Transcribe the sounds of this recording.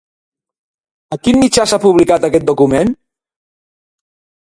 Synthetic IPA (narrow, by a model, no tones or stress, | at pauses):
əkinmit͡ʃasapuβlikat̪əkɛt̪̚d̪ukumen